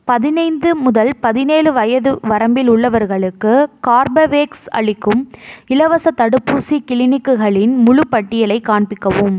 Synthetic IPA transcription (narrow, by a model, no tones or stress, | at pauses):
pɐðɪnɐɪnd̪ɯmʊðɐlpɐðɪneːlɯʋɐjɐðɯʋɐɾɐmbɪlʊɭːɐʋɐɾɣɐɭɯkːɯkaːɾbɐʋeːksɐ̰ɭɪkːɯmɪlɐʋɐsɐt̪ɐɽɯpːuːsikɪlɪnɪkːɯɣɐɭɪnmʊɻɯpːɐʈːɪjɐlɐɪkːaːɳbɪkːɐʋɯm